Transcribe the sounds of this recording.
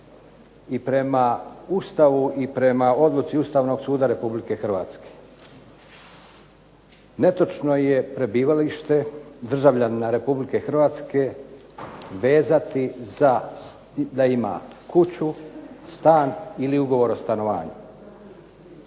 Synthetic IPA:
ipɾe̞maust̪aʋuʔipɾe̞mao̞d̪lˠut̪siust̪aːʋno̞ɡsuːd̪aɾe̞publike̞xr̩ʋa̰ːt̪ske̥ | ne̞t̪o̞t͡ʃno̞je̞pɾe̞biːʋaliʃt̪e̞d̪r̩ʒaʋʎannaɾe̞publike̞xrʋaːt̪ske̞ | ʋe̞ːzat̪iza | d̪aima̰kut͡ɕust̪aːniliuɡo̞ʋo̞ɾo̞st̪ano̞ʋa̰ːɲu

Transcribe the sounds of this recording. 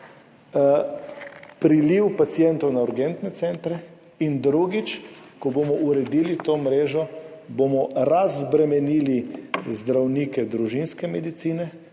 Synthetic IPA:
pɾiliwpat̪sijɛnt̪ɔwnauɾɡɛnt̪nɛt̪sɛnt̪ɾɛ | ind̪ɾuɡit͡ʃ | kɔbomɔʔuɾɛd̪iːlit̪oːmɾeːʒɔbomɔɾazbɾɛmɛniːlizd̪ɾawnikɛd̪ɾuʒinskɛmɛd̪it̪siːnɛ

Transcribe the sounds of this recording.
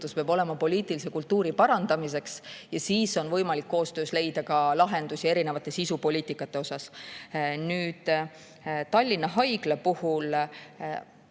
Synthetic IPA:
uspeɑbo̞le̞mɑpo̞lʲiːt̪ˑilise̞kult̪ːuːɾipɑɾɑnd̪̥ɑmis̬e̞ksjɑsiːso̞nvɤ̞jmɑlikːo̞ːst̪ø̞ːsle̞jd̪ɑkɑlɑɦe̞nd̪usie̞ɾine̞vɑt̪ːˑe̞sisupo̞lʲiːt̪ˑikːˑɑt̪ːˑe̞o̞sɑs | nyːd̪̥ | t̪ɑlʲːinːɑɦɑjɡ̥lepuhul

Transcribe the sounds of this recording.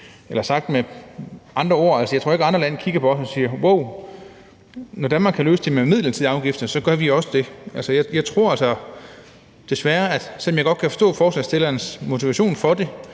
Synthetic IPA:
elɐsɑ̈ɡ̥̚d̥me | ʔɑ̈nd̥ʁɐo̝ɐ̰ælsəjɑɪo̝ɐe̝ɡɑ̈nd̥ʁɐlænkʰiɡ̥ɐpʰɒ̽ɒsɒ̽siːɐwoʊ̰ | nɒdænmɑ̈ɡkʰæløːsəd̥e̝memið̰ˠlɐt͡sʰið̰ˠɑ̈ʊɡ̥ifd̥ɐsɒ̽ɡ̥ɶɐʋiɒ̽səd̥e̝ʔælsəjɑ̈jɑ̈ɪt͡sʰʁo̝ɐ̰ælsɐ | d̥e̝sʋæɐæd̥sel̰ːmjɑ̈ɪɡ̥ɒ̽d̥kʰæfɒ̽sd̥ɔ̰̽ːfɒːslɛsd̥e̝lɐnsmo̝t͡sʰiʋæɕo̝̰ːnfɒ̽d̥e̝

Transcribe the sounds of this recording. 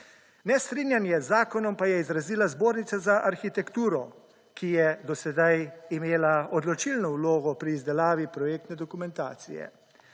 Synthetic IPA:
nɛst̪ɾinjanjɛzːaːkɔnɔmpajɛizɾaziːlazboːɾnit̪sazaʔaɾxit̪ɛkt̪uːɾɔ | kijɛd̪ɔsɛd̪ajimeːlaɔd̪lɔt͡ʃilnɔwloːɡɔpɾiːzd̪ɛlaːʋipɾɔjeːk̚t̪nɛd̪ɔkumɛnt̪a̰ːt̪sḭjɛ̰

